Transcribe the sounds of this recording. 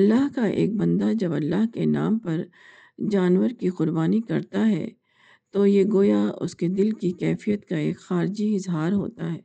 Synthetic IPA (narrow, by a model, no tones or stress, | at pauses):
ɐlːaɦkaʔḛːk̚bɐ̃nd̪ad͡ʒɐbɐlːaɦkena̰ːmpɐɾ | d͡ʒaːnwəɾkiqʊɾbaːnikɐɾt̪aɦɛ̰ː | t̪ojeɡoːjaʊ̰sked̪ɪlkikɛːfijət̪kaḛːkxaːɾd͡ʒiɪzɦaːɾɦo̰ːt̪aɦɛː